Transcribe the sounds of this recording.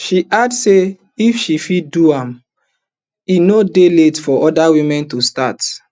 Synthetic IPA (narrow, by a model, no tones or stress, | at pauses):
ʃiʔadse | ifʃifiduãm | inodeletfɔʔɔdawĩmɛ̃ntustat